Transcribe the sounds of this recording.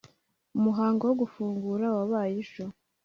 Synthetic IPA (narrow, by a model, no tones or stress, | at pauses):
umuɦaːŋɡowoɡufuːŋɡuːɾawaβaːjiʃo